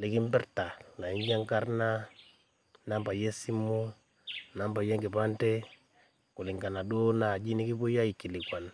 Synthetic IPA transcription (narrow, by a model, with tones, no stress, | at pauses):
lɪ˦kɪ˦mbɛ˦ɾta˨la˨i˦ɲja˦ŋka˦ɾna˦ | na˦mba˨je˦si˦mu˦ | na˦mba˨je˦ŋɡi˨pa˦ntɛ˦ | ku˨lɪ˨ŋɡa˨na˨do˦na˨d͡ʒi˦ni˦ki˦bu˦ja˦i˨kːi˨lɪ˨kwa˨n